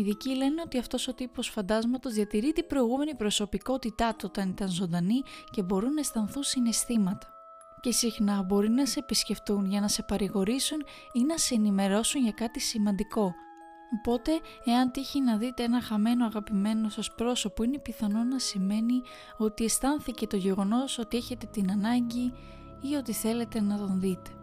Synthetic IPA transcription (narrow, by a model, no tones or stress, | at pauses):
iðicile̞neo̞t̪iɐft̪o̞so̞t̪ipo̞sfɐnd̪ɐzmɐt̪o̞zðiɐt̪iɾit̪ibɾo̞iɣume̞nipɾo̞so̞piko̞t̪it̪ɐt̪uo̞t̪ɐnit̪ɐnzo̞nd̪ɐnice̞bo̞ɾunɐest̪ɐnθusine̞st̪imɐt̪ɐ̥ | ce̞sixnɐbo̞ɾinɐse̞ːpisce̞ft̪unʝɐnɐse̞pɐɾiɣo̞ɾisun | inɐseːnime̞ɾo̞sunʝɐkɐt̪isimɐnd̪iko̞ | opo̞t̪e̞ | eɐnt̪içinɐðit̪eenɐxɐme̞no̞ɐɣɐpime̞no̞sɐspɾo̞so̞po̞ine̞piθɐno̞nɐsime̞ni | o̞t̪ie̞st̪ɐnθice̞t̪o̞ʝe̞ɣo̞no̞so̞t̪ie̞çe̞t̪e̞t̪inɐnɐɲɟi | io̞t̪iθe̞le̞t̪e̞nɐt̪o̞nðit̪e̞̥